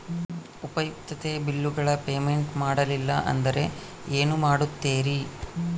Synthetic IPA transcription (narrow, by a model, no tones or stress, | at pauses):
upɐjup̚t̪ːɐt̪e̞bilːuɡɐɭɐpe̞ːme̞ɳʈmaːɽɐlilːɐ̰ʔɐ̰nd̪ɐɾe̞ | eːnumaːɽut̪ːeːɾi